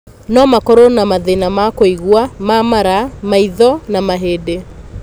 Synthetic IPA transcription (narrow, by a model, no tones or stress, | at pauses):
nɔmakɔɾonamaðenamakoiɣwamamaɾamaiðɔnamaɦeːde